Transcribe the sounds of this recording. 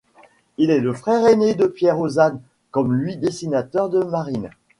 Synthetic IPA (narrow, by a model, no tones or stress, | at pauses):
ilɛləfχɛʁened̪əpjɛʁozan | kɔmlɥid̪esinat̪œʁd̪əmaʁin